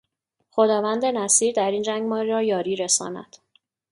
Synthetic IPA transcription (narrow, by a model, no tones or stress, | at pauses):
xo̞d̪ɒːvænd̪e̞næsiːɾd̪æɾiːnd͡ʒæŋɡmɒːɾiɾɒːjɒːɾiːɾesɒ̰ːnæ̰d̪̥